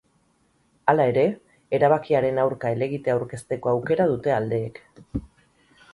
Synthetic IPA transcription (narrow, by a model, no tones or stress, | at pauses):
alae̞ɾe̞ː | ɾaβ̞akiaɾe̞nawɾkaele̞ɣ̞it̪e̞awɾke̞st̪e̞ko̞awke̞ɾað̞ut̪e̞ald̪e̞ːk